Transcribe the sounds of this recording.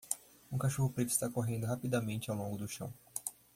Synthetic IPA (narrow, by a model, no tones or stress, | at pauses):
ũkaʃoɦʊpɾet̪ʊist̪akoɦẽnd̪ʊɦapid̪amẽnt͡ʃɪawlõŋɡʊd̪ʊʃɐ̰̃w̃